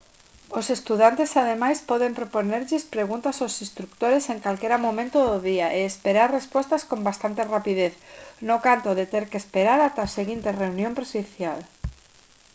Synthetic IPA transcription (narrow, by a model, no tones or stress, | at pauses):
osest̪uðant̪esaðemajspɔðempɾoponeɾʎespɾeɣunt̪asawsĩst̪ɾukt̪oɾeseŋkalkeɾamõmẽnt̪oðoðiaʔeːspeɾaɾrespost̪askõmbast̪ant̪erapiðeθnokant̪oðet̪eɾkespeɾaɾat̪aseɣint̪ereunjõmpɾesiθjal